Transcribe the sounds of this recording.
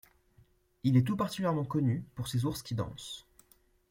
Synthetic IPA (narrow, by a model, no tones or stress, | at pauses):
ilɛt̪upaʁt̪i̥kʲyljɛʁmɑ̃kɔnypuʁsezuʁskʲid̪ɑ̰̃s